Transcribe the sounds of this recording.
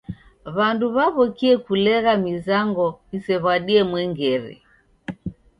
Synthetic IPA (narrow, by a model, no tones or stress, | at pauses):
βanduβaβɔkiɛkulɛɣamizaŋɡɔisɛβwaɗiɛmwɛŋɡɛɾḭ